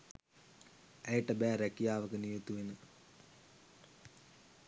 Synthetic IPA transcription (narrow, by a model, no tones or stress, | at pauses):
æjʈɐbæːɾækːijaːʋɐkənijut̪uʋenɨ